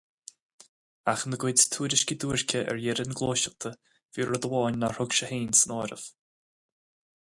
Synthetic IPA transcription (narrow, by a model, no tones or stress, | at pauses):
axnəɡwɪdst̪ʰuːɾɪʃkʲid̪uːɹkʲʰəʔɛ̰ɹjɛɾənɡlˠoːʃəlt̪ʰə | v̥iːɹəd̪əwɔːnʲːaɹʊɡʃəheːnsənɔːɾə̰v̥